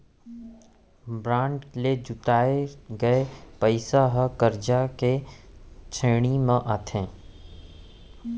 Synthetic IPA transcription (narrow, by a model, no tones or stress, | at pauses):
bɾãːɳʈled͡ʒʊʈ̪aːeɡɐepəɪsaɦəkəɾd͡ʒake | t͡ʃʰeːɽ̃imãʔaːt̪ʰẽː